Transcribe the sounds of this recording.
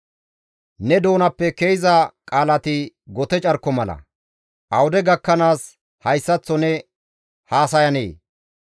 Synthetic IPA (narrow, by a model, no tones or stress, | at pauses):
nɛd̪o̞ːnɐpːɛkejzɐkʼaːlɐt̪ɪ | ɡɔt̪ɛt͡ʃʼɐɾkːɔmɐlɐ̰ | ʔɐwʊd̪ɛɡɐkːɐnaːs | hɐjsːɐt͡sːɔnɛ | haːsɐjɐnḛː